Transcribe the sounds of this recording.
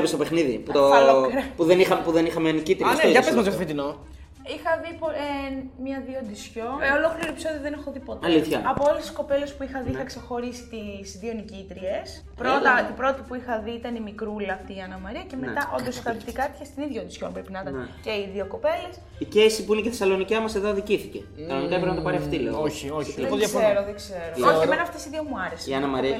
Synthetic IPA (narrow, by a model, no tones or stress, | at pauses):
pest̪opexniðḭput̪olokɾɐpuðenixɐpuðenixɐmeɐnicit̪ɾisɐezmɐzɐt̪ofit̪ino | ixɐðipoemɲɐðiond̪isço̞nolo̞kliɾiepiso̞ðioðenexo̞ðipo̞t̪ɐliθçɐɐpoolest̪i̥sko̞pe̞le̞spuixɐðiixɐkse̞xo̞ɾisi̥t̪izðionicit̪ɾie̞s | pɾot̪ɐt̪ibɾo̞t̪ipuixɐðiit̪ɐnimikɾulɐːft̪iːɐnɐmɐɾiɐceme̞t̪ɐʔo̞̰nd̪osixɐlipt̪ikɐt̪i̥çest̪iniðʝɐnd̪isço̞̰npɾepinɐt̪ɐnce̞iðioko̞pe̞les | icesipuineceθesɐlo̞nicemɐseðoðiciθiceɐnont̪epɾnɐt̪opɐɾieɐft̪ileoçoðɐeɾoðeɡze̞ɾoemenɐft̪esiðiomuɐɾeseiɐnɐmɐɾiɐ